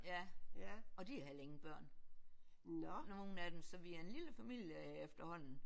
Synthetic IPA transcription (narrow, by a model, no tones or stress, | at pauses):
jæ | ɒ̽d̥iæhæle̝ŋ̩b̥ɶɐ̰n | nɒno̝ːn̩æd̥emsɒ̽ʋiæɐe̝nliləfæmil̰jəefd̥ɐhɒ̽n̰n̩